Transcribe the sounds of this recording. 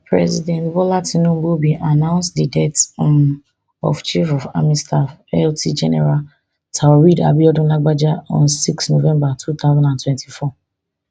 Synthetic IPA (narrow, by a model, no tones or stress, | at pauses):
pɹɛzidɛ̃ntbɔlatinũmbubiʔanãʊ̃nstdidɛt | ɔ̰ft͡ʃifɔfa̰mistafɛltʰid͡ʒɛnɛ̰ɹal | tʰawaɹida̰biɔdɔ̃naɡ͡bad͡ʒaɔ̰̃nsikstnovɛ̃mbatʰuθaʊzãndãntwɛ̃ntʰifɔ